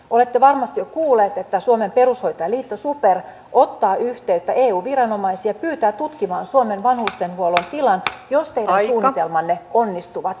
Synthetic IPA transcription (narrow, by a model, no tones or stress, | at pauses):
ʔolet̪ːeʋɑrmɑst̪ijokuːlːˑeːt̪et̪ːæsuomempeɾusho̞jt̪ojɑliːt̪ːosuper | ʔot̪ːɑːʔyht̪eyt̪ːæʔeːuːʋirɑnomɑisiɑpyːt̪æːt̪ut̪kimɑːnsuomenʋɑnhust̪enhuolont̪ilɑnjost̪eiɾænsuːnit̪elmɑnːeonːist̪uʋɑt̪